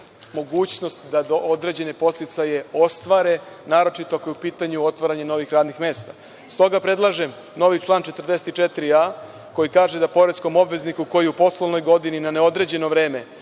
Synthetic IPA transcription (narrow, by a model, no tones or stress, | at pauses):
mo̞ɡuːt͡ɕno̞st̪d̪ad̪ood̪ɾe̞d͡ʑe̞ne̞po̞st̪it̪saje̞o̞st̪ʋaɾe̞ | naːɾo̞t͡ʃit̪oako̞jeupiːt̪aɲuot̪ʋaɾaɲeno̞ʋixɾaːd̪nixme̞ːst̪a | st̪o̞ɡapɾe̞d̪lˠaʒe̞m | no̞ʋit͡ʃlˠaːnt͡ʃe̞t̪r̩d̪e̞set̪it͡ʃet̪ɾia | ko̞jikaːʒe̞d̪apo̞ɾe̞t̪sko̞mo̞bʋe̞znikuko̞jiupo̞slˠo̞ʋno̞jɡo̞d̪ininaneo̞d̪ɾe̞d͡ʑe̞no̞ʋɾe̞ːme̞